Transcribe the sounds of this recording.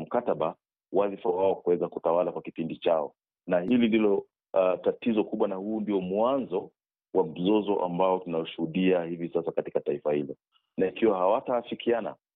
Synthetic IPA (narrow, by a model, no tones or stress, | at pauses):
m̩kataɓa | wazifawaɔkuwɛzakutawalakwakipindit͡ʃaɔ̰ | nahilindilɔ | tatizɔkuɓwanahuːndiɔmwanzɔ | wam̩zɔzɔʔa̰mbaɔtunajɔʃuhuɗiahivisasakati̥kataifahilɔ | naikiwahawataːfikʰiana̰